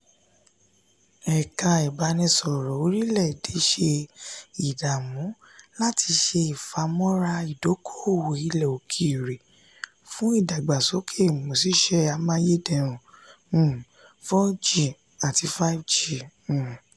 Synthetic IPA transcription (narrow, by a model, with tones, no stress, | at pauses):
ɛ˨kã˧i˨ba˨˧˦nĩ˧sɔ˨ɾɔ˨o˧˦ɾi˦lɛ˦˨de˨˦ʃe˧i˨da˨mũ˨˦ | la˦tʰi˧ʃe˧i˨fa˧mɔ̃˦ɾa˧i˨do˨˦kʰo˦o˦˨wo˨i˧lɛ˨o˨kʰi˧˦˨ɾe˨ | fũ˦i˦˨da˨ɡ͡ba˨sɔ˨˦kʰe˦˨mo˨si˦ʃɛ˧˦a˧mã˧˦je˦dɛ˧˨ɾ̃ũ˨˦˨ | fɔ˦d͡ʒi˦˨ | a˨ti˧fa˦d͡ʒĩ˨